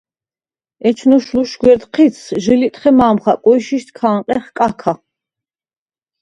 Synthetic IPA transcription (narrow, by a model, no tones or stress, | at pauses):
ɛt͡ʃʰnuʃluʃɡwɛɾd̪qʰit̪sʰʒilit̪ʼχɛmaːmχakʼɔiʃiʃt̪ʰkʰaːŋqʼɛχkʼakʰa